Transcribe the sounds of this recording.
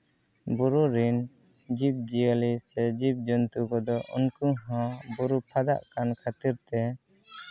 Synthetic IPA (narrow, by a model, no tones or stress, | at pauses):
buɾuɾin | d͡ʒip̚d͡ʒiəlisɛd͡ʒip̚d͡ʒɔnt̪ukɔd̪ɔʔṵnkuɦɔ̃buɾupʰad̪a̰ʔkankʰat̪iɾt̪ɛ